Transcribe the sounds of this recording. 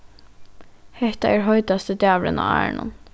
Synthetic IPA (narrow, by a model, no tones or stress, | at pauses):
hɛht̪ɑʔæːɹɦœʏt̪ɑst̪əd̪jæːʋlə̰nɑ̰ːæ̰ːɳʔʊ̰n